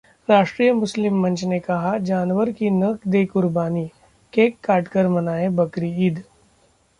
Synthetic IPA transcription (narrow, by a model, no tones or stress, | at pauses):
ɾaːʃʈɾiːjəmʊslɪmːɐ̃nt͡ʃnekɐɦad͡ʒaːnʋəɾkinɐkd̪eːkʊɾbaːni | keːkːaːʈkəɾmɐnaːẽbɐkɾiiːd̪